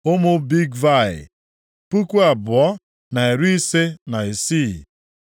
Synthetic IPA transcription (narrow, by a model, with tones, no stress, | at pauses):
ʊ˦mʊ˦bi˦ɡva˦˨ɪ̰˨ | pu˦ku˦a˨bʊ˨ɔ˦ | na˨e˨ɾu˦i˦se˦na˨e˨si˦˨